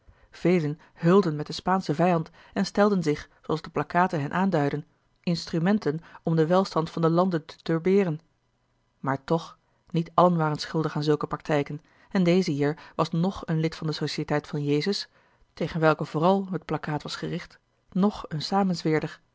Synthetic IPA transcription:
v̥ejlən | hɵlˠdənmɛt̚dəspaːnsəvɛjɑnt | ɛnstɛlˠdənzɪχsoɑlzdəplɑkaːtənɦɛnʔaːndœɥdən | ɪnstrymɛntənɔmdəʋɛlˠstɑntfɑndəlɑndəntə̥tøɹbɪːrən | maːɹtɔχ | nitɑlənʋaːrənsχɵlˠdəχaːnzɵlˠkəprɑk̚tɛjkən | ɛndejzəɦiːɹʋɑsnɔχənlɪtfɑndəsoʃiətɛjtfɑnjejzəs | tejχənʋɛlˠkəv̥ʊːrɑlˠɦət̚plɑkaːtʋɑsχərɪχt | nɔχənsaːmənsʋɪːɹdəχ

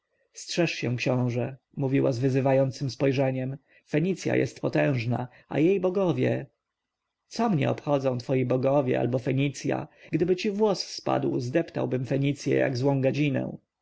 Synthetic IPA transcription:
stʂɛʂɕɛw̃kɕɔ̃w̃ʐɛ | muvʲiwazvɘzɘvajɔnt̪sɘmspɔjʐɛɲɛm | fɛɲit̪sʲja̰jʔɛ̰st̪pɔt̪ɛ̃w̃ʐna̰ | a̰jejbɔɡɔvʲjɛ | t̪sɔmɲɛ̰ɔpxɔd̪zɔ̃w̃t̪fɔjibɔɡɔvʲjɛ̰ʔa̰lbɔfɛɲit̪sʲja̰ɡd̪ɘbɘt͡ɕivwɔsspa̰d̪wzd̪ɛpt̪a̰wbɘmfɛɲit̪sʲjɛ̰ja̰ɡzwɔ̃w̃ɡad͡ʑinɛ̰w̃

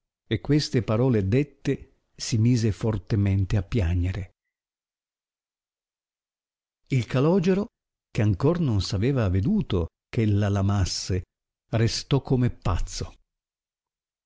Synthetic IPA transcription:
ekːwest̪epaɾɔːled̪et̪ːe | simiːzefort̪ement̪eapːjaɲd͡ʒeɾe | ilkalɔːd͡ʒeɾo | k̟eaŋkornonsaveːvaved̪uːt̪o | kelːalamasːe | rest̪ɔkːomepːat̪sːo

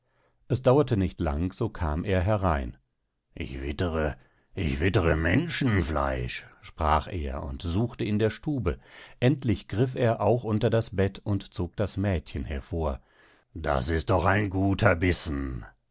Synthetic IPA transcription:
ʔɛsd̥aʊɐtənɪçtla̰ŋz̥oːkʰaːmʔeːɐɦɛɐʁaɪn | ʔɪ̰çv̥ɪtəʁə | ʔɪçv̥ɪtəʁəmɛnʃn̩fla̰ɪʃʃpʁ̥aːχḛːɐʊ̰ntzuːxtəɪndeːɐʃtuːbəʔɛntlɪçɡ̥ʁɪfeːɐʔaʊxʔʊntɐdasb̥ɛtʰʊntt͡soːk̚d̥asmɛːtçənhɛɐfoːɐ | d̥a̰sɪst̚d̥ɔχaɪnɡuːtʰɐbɪsn̩

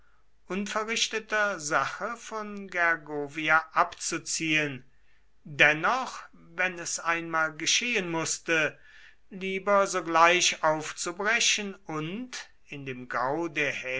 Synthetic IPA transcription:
ʔʊnfɛɐʁɪʃtətɐzaχəfɔnɡɛɐɡoːviaʔapt͡sut͡siːən | dɛnɔχ | vɛnɛsaɪnmaːlɡəʃeːənmʊstə | liːbɐzoːɡlaɪʃaʊft͡subʁɛʃənʊnt | ɪndeːmɡaʊdeːɐhɛ

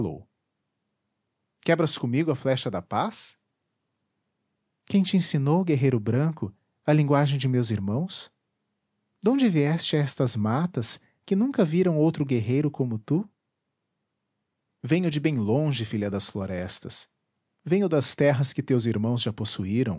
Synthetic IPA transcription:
lo̰w | kɛbɾɐskõmiɡʊɐflɛʃɐd̪ɐpas | kẽj̃t͡ʃɪẽsinowɡeɦejɾʊbɾɐ̃kʊ | ɐlĩŋɡwaʒẽj̃d͡ʒɪmewziɾmɐ̃w̃s | d̪õñd͡ʒɪviɛst͡ʃɪɛst̪ɐzmat̪ɐs | kɪnũkɐviɾɐ̃w̃owt̪ɾʊɡeɦejɾʊkõmʊt̪u | vẽɲʊd͡ʒɪbẽj̃lõʒɪfiʎɐd̪ɐsfloɾɛst̪ɐs | vẽj̃ʊd̪ɐst̪ɛɦɐskɪt̪ewziɾmɐ̃w̃zʒaposuiɾɐ̃w̃

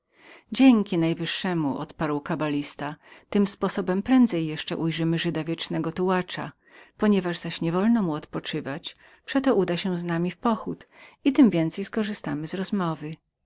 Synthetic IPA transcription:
d͡ʑeŋkʲinajvɘʂːɛmuʔɔ̰t̪paɾwkabalʲist̪at̪ɘmspɔsɔbɛmpɾɛnd̪zɛjːɛʂt͡ʂɛ̰ʔujʐɘmɘʐɘd̪avʲjɛt͡ʂnɛɡɔt̪uwat͡ʂa̰ | pɔɲɛvaʐzaɕɲɛvɔlnɔmuɔt̪pɔt͡ʂɘvat͡ɕ | pʂɛt̪ɔʔud̪aɕɛznamʲifpɔxut̪it̪ɘmvʲjɛnt̪sɛjskɔʐɘst̪amɘzɾɔzmɔvɘ

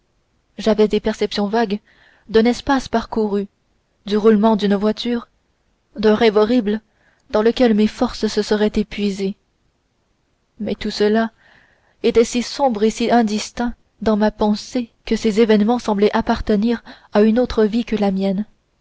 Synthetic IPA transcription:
ʒavɛd̪epɛʁsɛpsjɔ̃vaɡ | d̪ɛ̃nɛspaspaʁkuʁy | d̪yʁulmɑ̃d̪ynvwat̪ʰyːʁ | d̪ɛ̃ʁɛvɔʁibl | d̪ɑ̃ləkʲɛlmefɔʁssəsəʁɛt̪epɥize | mɛt̪usəla | et̪ɛsisɔ̃bʁesiɛ̃d̪ist̪ɛ̃ | d̪ɑ̃mapɑ̃sekəsezevɛnmɑ̃sɑ̃blɛʔapaʁt̪əniʁ | aynot̪χəvikəlamjɛn

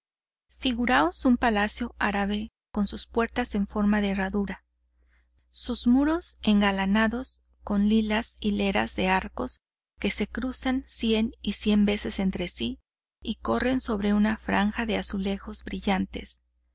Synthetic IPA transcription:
fiɣuɾaosumpalasjo̞aɾaβe̞ | ko̞nsuspwe̞ɾt̪ase̞ɱfo̞ɾmaðeːraðuɾa | suzmuɾo̞se̞ŋɡalanaðo̞s | ko̞nlilasile̞ɾa̰zðe̞aɾko̞s | ke̞se̞kɾusansje̞nisje̞mbe̞se̞se̞nt̪ɾe̞si | iko̞re̞nso̞βɾe̞unafɾa̰ŋxaðe̞asule̞xo̞zbɾiʝant̪e̞̰s

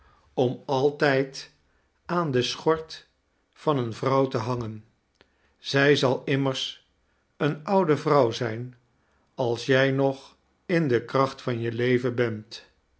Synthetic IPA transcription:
ɔmɑlˠtɛjt | aːndəsχɔɹt | fɑnənvrʌwtəɦɑŋən | z̥ɛjzɑlˠɪməɹs | ənʌwdəvrʌwzɛjn | ɑlˠsjɛjnɔχ | ɪndəkrɑχtfɑnjəlejvəbɛnt

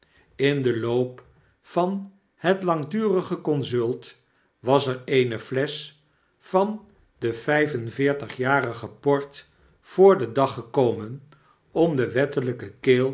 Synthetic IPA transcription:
ɪndəlowp | fɑn | hətlɑŋdyːrəχəkɔnzɵlˠt | ʋɑsəɹejnəflɛs | fɑn | dəv̥ɛjvənvɪːɹtəχjaːrəχəpɔɹt | fʊːɹdədɑχəkowmən | ɔmdəʋɛtələkəkeːlˠ

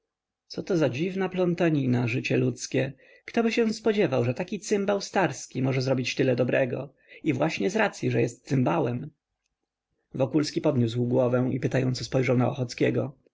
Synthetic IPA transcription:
t̪sɔt̪ɔzad͡ʑivnaplɔnt̪aɲinaʐɘt͡ɕɛlut̪skʲɛ | kt̪ɔbɘɕɛ̃spɔd͡ʑɛvawʐɛt̪akʲit̪sɘmbawst̪aɾskʲimɔʐɛzɾɔbʲit͡ɕt̪ɘlɛd̪ɔbɾɛɡɔ̰ | ivwaɕɲɛzɾat̪sʲjiʐɛjɛst̪̚sɨmbawɛm | vɔkulskʲipɔd̪ɲʲuswɡwɔvɛw̃ḭpɘt̪ajɔnt̪sɔspɔjʐawnaɔxɔt̪skʲɛɡɔ

